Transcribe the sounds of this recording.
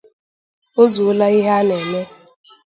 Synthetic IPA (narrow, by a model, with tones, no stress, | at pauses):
o˦zu˨˦la˦i˦ɦa˦nɛ˨ne˦